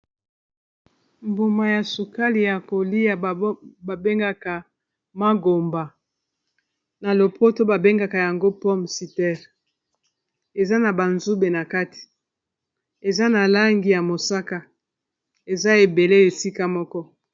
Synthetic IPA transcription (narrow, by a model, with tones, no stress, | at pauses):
mbo˨ma˨ja˨su˨ka˦li˨ja˨ko˨li˦ja˨ba˨be˦ŋɡa˦ka˨ | ma˦ɡo˨mba˨ | na˨lo˨po˦to˦ba˨be˦ŋɡa˨ka˨ja˨ŋɡo˦pɔ˦msi˨tɛ˦ʁ | e˨za˦na˨ba˨nzu˦be˨na˨ka˦ti̥˨ | e˨za˦na˨la˦ŋɡi˨ja˨mo˨sa˦ka˦ | e˨za˦e˨be˨le˦e˨si˦ka˦mɔ˦kɔ˦